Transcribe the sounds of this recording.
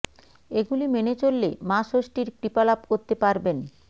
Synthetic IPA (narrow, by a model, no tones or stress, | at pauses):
eɡulimenet͡ɕolːemaʃoʃʈiɾkɾipalapkoɾt̪epaɾben